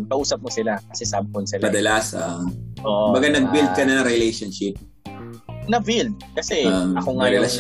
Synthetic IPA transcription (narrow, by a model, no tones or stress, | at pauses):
kɐʔuːsɐp̚mosɪlakɐsɛsaːbɪkonsɪlpɐd̪ɐlasʔaʔʔoːʔʊmbɐɡanɐɡ̚bild̪̚kɐnɐnɐɾɪlejʃonʃɪp̚ | nɐbild̪̚kɐsɛɐkoŋɐjɛlɐʃ